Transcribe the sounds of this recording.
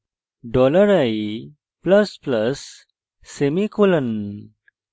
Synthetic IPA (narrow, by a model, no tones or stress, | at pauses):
ɖɔləɾaji | pləspləsː | emikulən